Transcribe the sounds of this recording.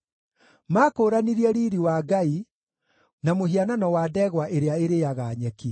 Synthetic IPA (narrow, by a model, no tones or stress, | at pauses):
maːkoːɾaniɾiɛɾiːɾiwaːɡai | namoɦiananɔwaːdɛɣwaʔeɾeaeɾejaɣaːɲɛki